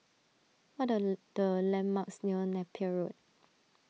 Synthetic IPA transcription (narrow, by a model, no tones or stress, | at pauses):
wɔt̚d̥əlɛ̃nmːaksniənɛpʰiəɹod̚